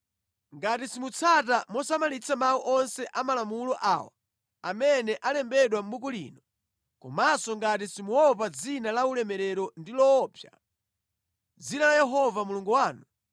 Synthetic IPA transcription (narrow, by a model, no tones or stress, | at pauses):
ŋɡatisimut͡sʰatamɔsamalit͡sʰamawuʔɔnsɛʔamalamulɔʔa̰ːwa̰ | amɛnɛʔalɛmbɛɗwam̩ɓuk̬ulḭːnɔ | kɔ̰masɔŋɡatisimuwɔp̬ad͡zinalaulɛmɛɾɛɾɔndilɔːpʰja | d͡zinalajɛɦɔvamuluŋɡuwaːnu